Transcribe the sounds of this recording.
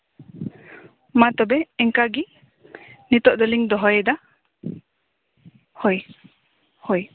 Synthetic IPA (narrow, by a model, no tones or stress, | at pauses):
mat̪ɔbɛɛŋkaɡi | nit̪ɔʔd̪ɔliŋd̪ɔɦɔjɛd̪a | hoj | huj